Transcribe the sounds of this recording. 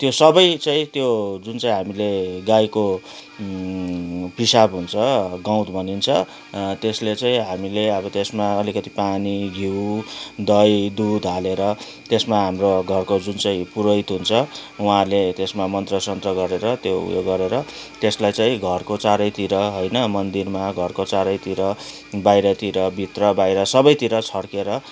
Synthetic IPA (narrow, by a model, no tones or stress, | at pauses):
t̪josʌbʌjt͡saĩt̪jod͡zunt͡saĩɦamileɡajko | pisabɦunt͡sʰʌɡãw̃t̪bʱʌnint͡sʰʌ | t̪eslet͡saĩɦamileʌbʌt̪esmaːlikʌt̪ipaniɡʱiwd̪ʌjd̪ud̪ʱɦaleɾʌ | t̪esmaɦamroɡʱʌrkod͡zunt͡sãĩpuɾʌjt̪ɦunt͡sʰʌuɦãlet̪esmamʌnt̪rʌsʌnt̪rʌɡʌɾeɾʌt̪jo̰jo̰ɡʌɾeɾʌt̪eslajt͡saĩɡʱʌrkot͡saɾʌjt̪iɾʌɦojnʌmʌnd̪irmaɡʱʌrkot͡saɾʌjt̪iɾʌ | bajɾʌt̪iɾʌbʱit̪rʌbajɾʌsʌbʌjt̪iɾʌt͡sʰʌɽkeɾʌ